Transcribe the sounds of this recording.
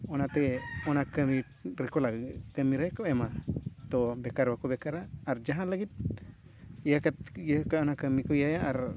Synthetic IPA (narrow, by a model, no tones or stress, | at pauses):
onat̪eonakəmi | ɾekolaɡkəmiɾekoemãt̪obekaɾbakobekaɾaːɾd͡ʒaɦãlaɡit̪̚ | jəkat̪jəkaonakəmikujajaʔaɾ